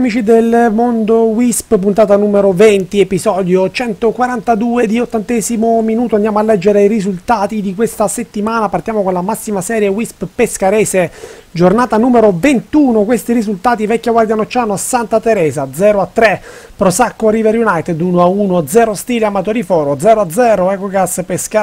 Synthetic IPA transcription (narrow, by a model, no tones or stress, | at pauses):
amiːt͡ʃid̪elmond̪owisppunt̪aːt̪anuːmeɾovɛnt̪iepizɔːd̪jot͡ʃɛnt̪okwaɾant̪ad̪uːed̪iot̪ːant̪ɛzimominuːt̪oand̪jaːmoalːɛd͡ʒːeɾeirizult̪aːt̪id̪ikwest̪aset̪ːimaːnapart̪jaːmokonlamasːimasɛːɾjewisppeskaɾɛːse | d͡ʒornaːt̪anuːmeɾovent̪uːnokwest̪iɾizult̪aːt̪ivɛkːaɡward̪janot͡ʃːaːnoasant̪at̪eɾɛːzad̪zɛːɾoat̪ːɾe | pɾosakːoɾivɛɾjunajt̪ed̪unoauːnod̪zɛːɾost̪iːleamat̪oːɾifɔːɾod̪zɛːɾoad̪zːɛːɾoɛkoɡaspeska